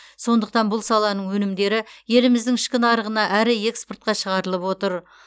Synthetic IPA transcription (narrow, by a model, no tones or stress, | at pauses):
so̞nd̪əq̚t̪ɑnbʊlˠsɑlˠɑnəɴwɵnɪmd̪e̞ɾɪje̞lɪmɪzd̪ɪŋɪʃkʲɪnɑɾəʁənɑʔæɾɪe̞ksport̪̚qɑʃəʁɑɾəlˠəpwo̞t̪əɾ